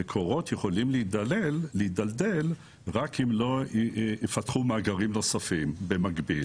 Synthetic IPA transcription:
ekʰo̞ʁo̞t̪jeχo̞limleid̪alelːeid̪alde̞l | ʁakimloefat̪χumaːɡaʁimno̞safimbe̞maɡbil

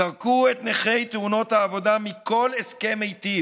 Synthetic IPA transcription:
aʁkuet̪neχe̞jt̪euno̞thaːvo̞damikʰo̞leske̞mejti

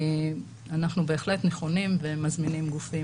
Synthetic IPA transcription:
anaχnube̞ːχle̞tne̞χo̞nimvemazminimɡufi

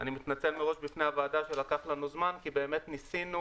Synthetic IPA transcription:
animit̪nat͡se̞lmeʁo̞ʃbifne̞avaːdaʃe̞lakaχlanuzmankibe̞ːme̞t̪nisinu

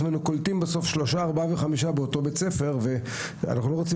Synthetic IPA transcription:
nenukoltimbeso̞fʃloʃaːʁbaveχamiʃabeoto̞bet͡se̞fe̞ʁve̞ | a̰naχnulo̞ʁot͡si

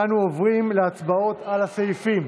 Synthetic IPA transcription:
anuovʁimleat͡sbao̞t̪alasejfim

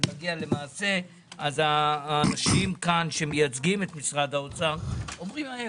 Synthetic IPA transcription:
aɡiale̞maːse̞ | azaːnaʃimkanʃe̞mejat͡sɡime̞t̪misʁad̪aot͡saʁo̞mʁimae

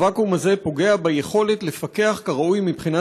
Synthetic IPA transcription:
vakumaze̞po̞ɡe̞abajeχo̞let̪le̞fake̞aχkaʁaʔujmipχina

